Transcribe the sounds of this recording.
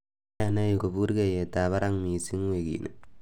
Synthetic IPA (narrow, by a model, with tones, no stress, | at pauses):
a˨na˦ji˨ko˨bu˦ɾke˦˨je˨ta˨βa˦ɾa˦ŋmi˨si˦ŋwe˨kḭ˨nḛ˨